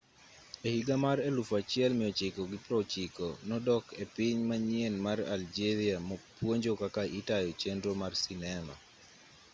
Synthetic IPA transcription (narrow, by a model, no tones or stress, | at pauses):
ehiɡamaɾelufat͡ʃɪɛlmɪjɔt͡ʃɪkɔɡɪpɾɔt͡ʃɪkɔnɔdɔkepɪɲmaɲienmaɾa̰ld͡ʒeɾiamɔpwoɲd͡ʒokakaʔitajɔt͡ʃendɾomarsinɛma̰